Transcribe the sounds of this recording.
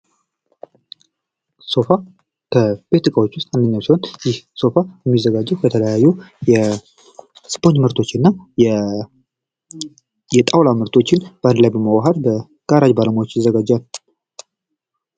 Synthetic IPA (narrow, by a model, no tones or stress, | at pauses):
so̞fa | kʰəbe̞t̪ɨkʼawot͡ʃːwʊst̪ʼand̪əɲːawsiho̞njɪhso̞fajɛmːizːəɡad͡ʒːɛwkʰət̪ʰələjajːujɛ | spʰoɲmɨɾt̪ʰo̞t͡ʃːɨnːa | jɛt̪ʼawlaməɾt̪ʰo̞t͡ʃːɪnb̥and̪lajbəməwaɦəɾbə | ɡ̥aɾad͡ʒbaləmawot͡ʃːjɪzːəɡad͡ʒːal